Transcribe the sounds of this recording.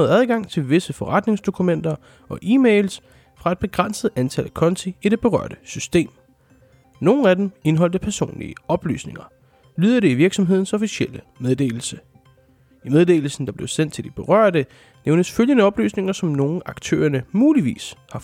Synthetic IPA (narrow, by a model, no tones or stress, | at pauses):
ð̩ˠæð̞ˠɡ̥ɑ̈ŋ̰t͡sʰe̝lʋe̝səfɒ̽ʁɑd̥ne̝ŋsd̥o̝kʰumen̰d̥ɐ | ɒ̽ʔiːmeɪls | fʁɑ̈e̝d̚b̥e̝ɡ̥ʁɑn̰səð̞̩ˠænt͡sʰæləkʰɒ̽nt͡sʰiid̥e̝b̥e̝ʁɶ̰ɐ̰d̥əsysd̥e̝̰ːm | no̝ːn̩æd̥eme̝nɦɒ̽l̰d̥əpʰæɐso̝̰ːnlḭəɒ̽b̥ly̰ːsne̝ŋɐ | lyːðˠɐɾ̥e̝iʋiɐɡ̥sɒ̽mɦe̝ð̞̰ˠn̩sɒ̽fiɕiel̰əmeð̞ˠd̥e̝̰ːl̩sə | imeð̞ˠde̝̰ːl̩sn̩d̥ɑ̈b̥leʊsen̰d̥̚t͡sʰe̝ld̥ib̥e̝ʁɶɐ̰d̥ə | neʊnəsføljənəɒ̽b̥ly̰ːsne̝ŋɐsɒ̽mno̝ːn̩ɑ̈ɡ̥t͡sʰø̰ːɐnəmuːliʋḭːshɑ̈